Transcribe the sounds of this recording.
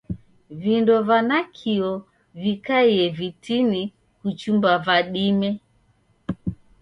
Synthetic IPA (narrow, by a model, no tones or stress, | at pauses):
vindɔvanakʰiɔ | vikaiɛvitini | kut͡ʃumbavaɗimɛ